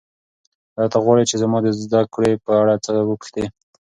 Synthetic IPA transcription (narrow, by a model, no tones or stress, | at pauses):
ɾɑt̪aɣwɑɽet͡ʃezamɑd̪əzd̪akɽepəaɽat͡səwəkʃt̪e